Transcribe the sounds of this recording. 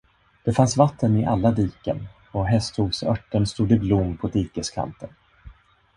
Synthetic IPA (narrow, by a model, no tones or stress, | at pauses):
d̪̥ɛfansvat̪ʰːənɪʔalːad̪iːkə̰n | ɔɦɛst̪huːvsœʈːənst̪uːd̪ɪblʊmːpʰɔd̪iːkəskʰa̰nt̪ʰən